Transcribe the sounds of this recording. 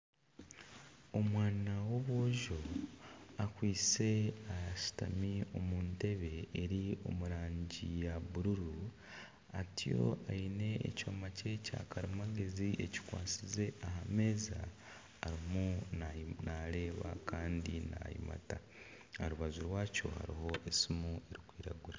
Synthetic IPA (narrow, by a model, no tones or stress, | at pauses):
o̞mwaːnawo̞βwoːʒo̞ | akwiːt͡se̞aʃi̥ta̰mio̞muːnte̞βe̞ːɾio̞̰muɾaːɲɟijaβuɾuɾu | atʰijo̞̰aine̞̰ːco̞ːmace̞ca̰kaɾimaɡe̞ziʔeci̥kwa̰ːt͡size̞ahame̞ːzaː | ɾimu | naɾe̞ːβa̰kaːndina̰jḭma̰ta | aɾuβazuɾwaːco̞̰ha̰ɾḭho̞ʔe̞simue̞ɾikwiːɾaɡuɾa